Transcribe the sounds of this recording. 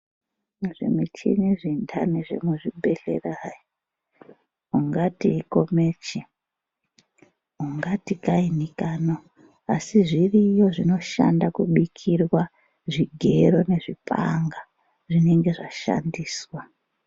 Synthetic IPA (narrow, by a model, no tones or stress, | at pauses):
ʐḛmit͡ʃḭniʐintʰaneʐḛmuʐibʱe̞ɬḛraji | uŋɡatiːko̞met͡ʃi | uŋɡatikainikaːno | asiʐirijo̞ʐino̞ʃa̰ndakuɓikʰirwa | ʐiɡʱe̞ɾo̞ne̞ʐipʰa̰ŋɡa | ʐine̞ŋɡe̞ʐaʃa̰ndiːswa